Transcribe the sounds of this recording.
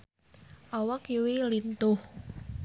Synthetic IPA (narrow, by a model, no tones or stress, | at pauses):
ʔɔwəkjiwilint̪ʊh